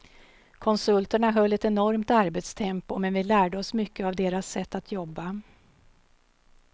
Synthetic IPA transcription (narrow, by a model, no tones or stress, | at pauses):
kʰɔnsɵlt̪əɳaɦœlːɛt̪ɛnɔɾmt̪aɾbɛt̪st̪ʰɛmpʊmɛnvɪlæːɖəɔsmʏkːəavd̪eːɾasːɛt̪ːat̪ʰjɔbːa